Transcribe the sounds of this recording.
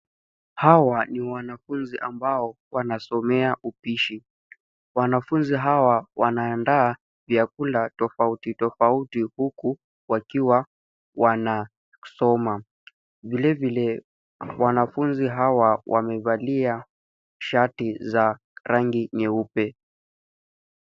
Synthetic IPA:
hawaniwanafunziʔambaɔwanasɔmɛaʔupiʃi | wanafunziɦawawanaːndaː | vjakulatɔfautitɔfautihuku | wakiwa | wana | sɔma | vilɛvilɛ | wanafunziɦawawa̰mɛvalia | ʃatiza | ɾaŋɡiɲɛupɛ

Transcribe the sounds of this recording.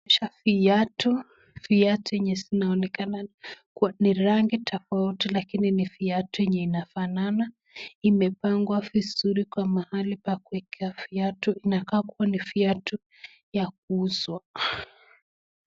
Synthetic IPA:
ɛʃafiatu | fiatujɛɲɛzinaɔnɛkanakuaniɾaŋɡitʰɔfautilakininifiatujɛɲɛinafanana | imɛpaŋɡwavizuɾikwamahalipakuɛkʰɛafiatuinakakuwanifiatu | jak̚uuzwa

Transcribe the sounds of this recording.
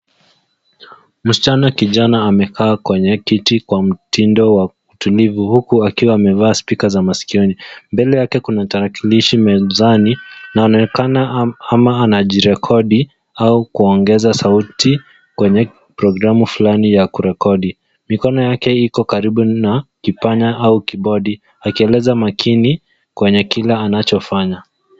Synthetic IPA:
m̩si̥t͡ʃanakiʄanaːmɛkʰaːkwɛɲɛkitikwam̩tindɔwa | utulivuhukuakiwaːmɛvaːspikazamasi̥kiɔnimbɛlɛjakɛkunataɾakiliʃimɛzaninaːnkanaamaanaʄiɾɛkʰɔɗi | aukuɔŋɡɛzasauti | kwɛɲɛ | pɾɔɡɾamufulanijakuɾɛkɔɗi | mikɔnɔjakɛikɔkaɾiɓunakipaɲaʔaukiɓɔɗi | akiɛlɛzamakʰini | kwɛɲɛkilaːnat͡ʃɔfaɲa

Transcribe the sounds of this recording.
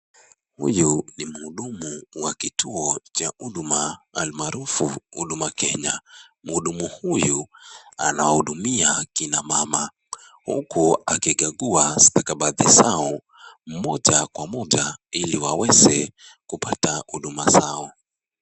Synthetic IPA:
hṵjunim̩huɗumuwakitʰuɔt͡ʃaʔuɗmaːlmaɾufuhuɗumakɛɲa | m̩huɗumuhujuanawahuɗumiakinamama | hṵkuakiɠaɠuasi̥takaɓaðizaɔ | m̩mɔʄakwamɔʄailiwawɛzɛ | kupatahuɗumazaɔ

